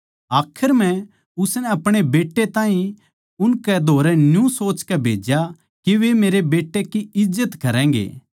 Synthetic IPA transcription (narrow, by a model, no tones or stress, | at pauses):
aːkʰɪɾmɛ̃ | ʊsnɛɐpɽ̃ebeːʈːet̪ãːɦĩ | ʊnkɛd̪ʱoːɾɛnjũsoːt͡ʃkɛbʱeːd͡ʒja | kiʋemeːɾebeːʈːekiɪd͡ʒːət̪kɐɾɛ̃ːŋɡḛː